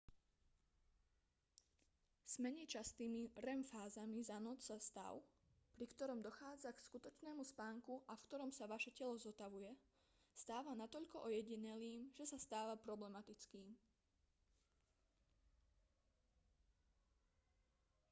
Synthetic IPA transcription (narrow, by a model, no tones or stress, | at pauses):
z̥mɛɲit͡ʃast̪iːmiɾɛmfaːzamizanɔt͡ssast̪a̰ʊ | pɾikt̪ɔɾɔmd̪ɔxaːd͡zakskut̪ɔt͡ʃnɛːmuspaːŋkuʔafkt̪ɔɾɔmsaʋaʃɛcɛlɔzɔt̪aʋujɛ | st̪aːʋanat̪ɔʎkɔʔɔjɛɟiɲɛliːmʒɛsast̪aːʋapɾɔblɛmat̪it͡skiːm